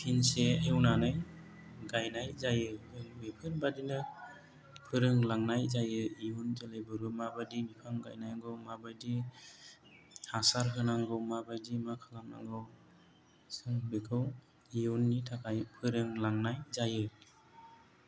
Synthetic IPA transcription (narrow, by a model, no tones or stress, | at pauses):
pʰinseewnanɯj | ɡajnajzajɯɯŋmepʰɯɾbadinɯ | pʰɯɾɯŋlaŋnajzajɯijunzalajbɯɾɯmabadimipʰaŋɡajnajɡɯwmabajdi | hasaɾɦɯnaŋɡɯwmabajdimakʰalaŋna̰ŋɡɯw | sɯŋbekʰɯw | ijunːitʰakʰajpʰɯɾɯŋlaŋnajzajɯ